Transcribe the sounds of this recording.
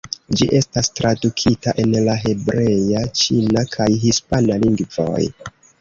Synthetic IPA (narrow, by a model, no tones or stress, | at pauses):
d͡ʒiʔe̞stastɾadukʰitaʔe̞nlaɦe̞bɾe̞jat͡ʃinakʰajɦispanaliŋɡvo̞̰j